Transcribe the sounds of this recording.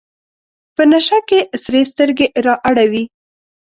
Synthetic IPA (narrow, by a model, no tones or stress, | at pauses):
pənaʃakesɾes̬t̪əɾɡeʔɾɑʔaɽawi